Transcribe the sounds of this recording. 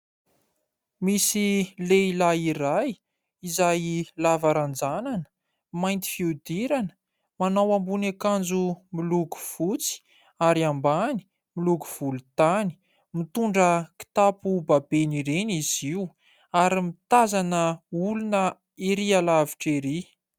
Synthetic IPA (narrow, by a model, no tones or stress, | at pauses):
misileilaiɾaj | izajlavaɾand͡zananə̥ | majnt̪i̥fiud̪iɾanə | manawambunekand͡zumiluku̥v̥ut͡si̥ | aɾiambani̥ | miluku̥v̥ulut̪ani̥ | mit̪uɳɖ͡ʐəki̥t̪apubabeniɾeniziw | aɾimit̪azanəulunə | iɾialavi̥ʈ͡ʂeɾi